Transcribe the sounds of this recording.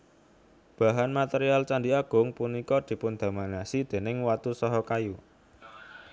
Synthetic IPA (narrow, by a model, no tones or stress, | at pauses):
b̥a̤ɦanmat̪eɾialt͡ʃand̪iaɡ̥ʊ̤ŋpunikɔd̪̥i̤pund̪̥a̤manasid̪̥e̤nɪŋwat̪usɔɦɔkaju